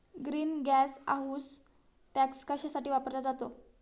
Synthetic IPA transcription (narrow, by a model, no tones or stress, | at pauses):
ɡɾiːnɡæsa̰ɦuːs | ʈækskəɕasaʈiːʋapəɾlad͡zat̪o